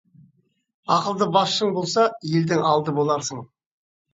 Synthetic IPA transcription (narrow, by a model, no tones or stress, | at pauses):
ɑqəlˠd̪əbɑsʃəɴbo̞lˠsɑje̞ld̪ɪŋɑlˠd̪əbo̞lˠɑɾsəɴ